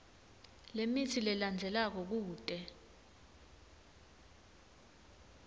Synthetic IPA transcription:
lemitʰilɛland͡zʱɛlak̬ɔk̬uːtʼɛ

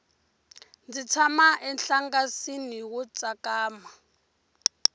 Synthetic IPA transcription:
nd͡zit͡sʰamaʔɛnɬaŋɡasiniwut͡sʼakaːma

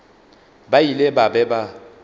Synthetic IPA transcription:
bailebabɛba

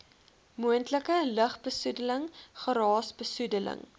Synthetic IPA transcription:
muəntləkələχbəsudələŋχəɾɑːsbəsudələ̰ŋ

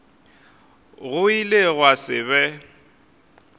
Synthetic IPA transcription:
ɣʊileɣwasɪ̰βɛ

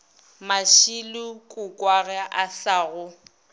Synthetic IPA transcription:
maʃilʊkʼʊkʼwaɣɛaʔasaːɣʊ

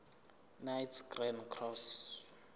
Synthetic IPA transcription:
najtʰɡrɛnkʰrɔs

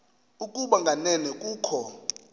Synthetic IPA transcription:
ukʼuɓaŋɡʱanɛnɛkʼuːkʰɔ

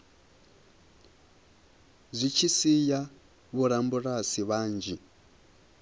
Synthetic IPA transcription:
zʷit͡ʃʰisija | βuɾambuɾasiβaːnd͡ʒi

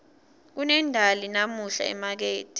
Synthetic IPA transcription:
k̬unɛndʱalinamuɬa̰ɛ̰mak̬eːtʰʼi̥

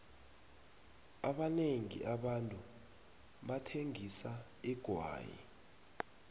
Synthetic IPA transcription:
aɓaneŋḭʔaɓantʼu | ɓatʰeŋisa | iɡ̥ʱwa̰ːjḭ

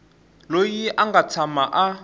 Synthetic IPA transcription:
lojiʔaŋɡat͡sʰamaʔa

